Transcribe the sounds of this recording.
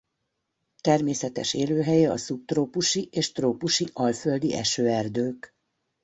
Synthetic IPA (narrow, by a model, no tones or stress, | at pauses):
t̪ɛrmeːsɛt̪ɛ̰ʃeːløːɦɛjɛɒ̰sup̚t̪roːpuʃiʔeːʃt̪roːpuʃiʔɒlføld̪iʔɛ̰ʃøːɛrd̪øːk